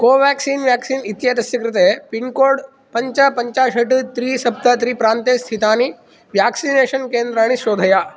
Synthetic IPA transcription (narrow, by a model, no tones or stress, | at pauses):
koːʋæːksiːnʋjæːksiːnit̪jad̪ɐsjɐkɾɪt̪̬epinkoːɽ | pɐɲt͡ʃɐpɐɲt͡ʃaːʃɐʈut̪ɾiːsɐb̚t̪ɐt̪ɾiːpɾaːnt̪eːst̪ʰit̪aːni | ʋjaːksineːʃɐnkeːnd̪ɾaːɽ̃isoːd̪ʱɐjaː